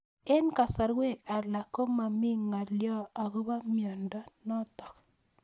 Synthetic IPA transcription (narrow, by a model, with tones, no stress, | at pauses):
ɛ˦nka˨sa˨ɾwe˦˨ka˨la˨ko˦ma˨mi˦ŋa˨ljɔ˦a˨ɡo˦ba˦mjɔ˨ndɔ˦nɔ˦tɔ̥˨k